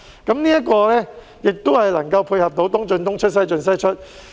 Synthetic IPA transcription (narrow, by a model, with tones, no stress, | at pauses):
kɐ˨˥mniː˥jɐ˥kɔː˧lɛː˥ | jɪ˨k̚t̪ʊ˥hɐ˨jlɐ˨˩ŋkɐ˧wpʰuː˧jhɐ˨p̚t̪o˨˥wt̪ʊ˥ŋt͡ʃɵ˧nt̪ʊ˥ŋt͡ʃʰɵ˥t̚sɐ˥jt͡ʃɵ˧nsɐ˥jt͡ʃʰɵ˥t̚